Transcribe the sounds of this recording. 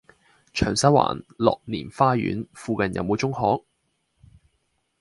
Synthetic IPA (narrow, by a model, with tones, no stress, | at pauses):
t͡ʃʰœː˨˩ŋsɐ˨˥wa̰ː˨˩nlɔ̰ː˨k̚niː˨˩nfaː˥jy̰ː˨˥nfuː˧kɐ˨njɐ̰˨˧wmo˨˧wt͡sʊ˥ŋhɔː˨˥k̚